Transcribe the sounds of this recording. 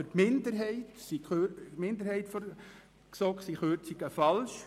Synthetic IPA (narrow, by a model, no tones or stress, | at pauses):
əɾtmɪndəɾɦɛɪtsikʰømɪnd̪əɾhɛɪtfɔ | ksɔksiχøːɾt͡siɡ̥əfɑlʃ